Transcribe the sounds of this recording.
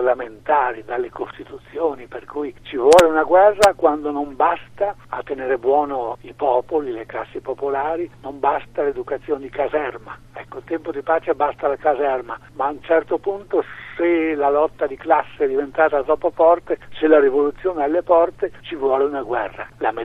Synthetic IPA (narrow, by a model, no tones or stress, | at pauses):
arlament̪aːɾid̪alːekost̪it̪ut̪sːjoːniperkujt͡ʃivwɔːleunaɡwɛrːakwand̪onombast̪aat̪ːeneːɾebwɔːnoipɔːpolileklasːepopolaːɾinombast̪aled̪ukat̪sːjoːned̪ikazɛrma | ɛkːoilt̪ɛmpod̪ipaːt͡ʃebast̪alakazɛrmamaːunt͡ʃɛrt̪opunt̪oselalɔt̪ːad̪iklasːeɛd̪ivent̪aːt̪at̪ɾɔpːofɔrt̪eselarivolut̪sːjoːnealːepɔrt̪et͡ʃivwɔːleunaɡwɛrːa̰lam